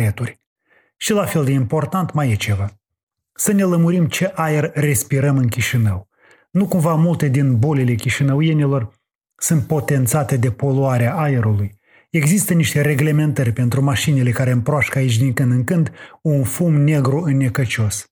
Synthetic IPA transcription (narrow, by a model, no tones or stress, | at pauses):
et̪urʲ | ʃilafe̞ld̪e̞impo̞rt̪ant̪majet͡ʃe̞va | səne̞ləmuɾimt͡ʃe̞ʔajerːe̞spiɾəmɨnkʲiʃinəw | nukumvamult̪e̞d̪inbo̞lele̞kʲiʃinəwujenʲilo̞r | sunt̪̚po̞t̪e̞nt̪sat̪e̞d̪e̞po̞luaɾeaʔaeɾuluj | e̞ɡzist̪əniʃt̪e̞ɾe̞ɡle̞me̞nt̪ərʲpe̞nt̪ɾumaʃinele̞kaɾe̞ɨmpɾoaʃkəait͡ʃʲd̪iŋkɨnd̪ɨŋkɨnd̪unfumne̞ɡɾuɨnːe̞kət͡ʃo̞s